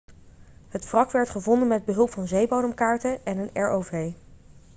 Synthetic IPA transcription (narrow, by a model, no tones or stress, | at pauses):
ɦətfrɑkʋɛɹtχəvɔndənmɛd̚bəɦɵlˠpfɑnzejbowdəmkaːɹtəɛnənɛɹowvej